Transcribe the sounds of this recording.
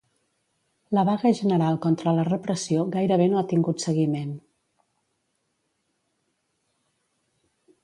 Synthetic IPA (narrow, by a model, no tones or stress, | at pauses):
ləβ̞aɣəʒənəɾalˠkɔnt̪ɾələrəpɾəsioɣajɾəβenoat̪iŋɡut̪səɣimen